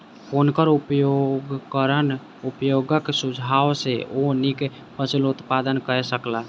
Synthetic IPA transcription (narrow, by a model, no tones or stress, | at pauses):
konkəɾupjoɡkəɾən | upjoɡəksud͡ʒʱawseʔonik | pət͡ʃilut̪pad̪ənkəɾɛsəkla